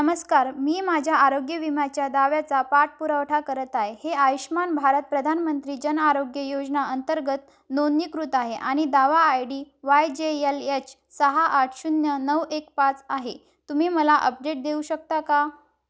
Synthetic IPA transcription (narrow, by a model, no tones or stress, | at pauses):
nəməskaɾmiːmad͡ʑʱjaaɾoɡjəʋimjat͡ɕjad̪aʋjat͡sapaʈ̚puɾəʋʈʰakəɾət̪ajheaʋiɕmanbʱaɾət̪̚pɾəd̪ʱanmənt̪ɾiːd͡ʑənaɾoɡjəjod͡znaənt̪əɾɡət̪ | nonːikɾut̪aɦeʔaɽ̃id̪aʋaːjɽiːʋajd͡ʑeelet͡ɕ | səɦaʔːʈʰɕunjənəʋekpat͡saɦe | t̪umiːməlaʔəp̚ɖeʈ̚d̪euɕək̚t̪aka